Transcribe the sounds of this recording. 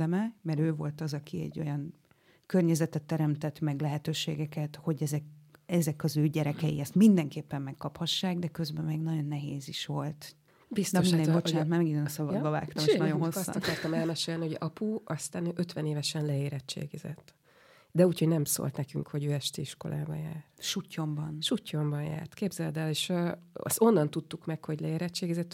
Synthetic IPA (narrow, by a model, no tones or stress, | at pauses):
ɛmɛmɛɾøːvo̞lt̪ɒzɒkʰiɛ̰ɟːo̞jɒŋ | kørɲɛzɛt̪ɛt̪ːɛɾɛmt̪ɛt̪mɛɡlɛɦɛt̪øːʃḛːɡɛkɛt̪ho̞ɟɛzɛkɛzɛkɒzøːɟɛɾɛkɛjiɛst̪mind̪ɛŋkeːpːɛmːɛkːɒphɒʃːaːɡd̪ɛkø̞zbɛmeːɡnɒɟo̞nːɛɦeːziʃʋo̞lt̪ | bist̪mind̪ɛbo̞t͡ʃaːnt̪maːrmɛɡid̪øːnɒsɒbɒbɒva̰ːkt̪ɒmeʃnɒjonɦosːsːɒkɒrt̪ɒmɛlmɛʃeːlnihoɟɒpuɒst̪aːnøːʔøt̪vɛneːvɛʃɛnlɛeːɾɛt͡ʃːḛːɡɛzɛ̰t̪ː | d̪ɛuːchoɟnɛmso̰lt̪nɛkyŋkho̞ɟøːɛʃt̪eːiʃko̞̰lʔa̰ːbɒ̰jaːrʃucːo̞mbɒnʃucːo̞mbɒnja̰ːrt̪keːbzɛld̪ɛleːʃøɒ̰so̞nːɒnt̪ut̪ːukmɛkho̞ɟlɛeːɾɛt͡ʃːeːɡɛzɛt̪ː